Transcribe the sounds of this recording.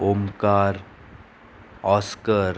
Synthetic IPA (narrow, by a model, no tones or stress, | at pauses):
omkaːɾ | ɔːskəɾ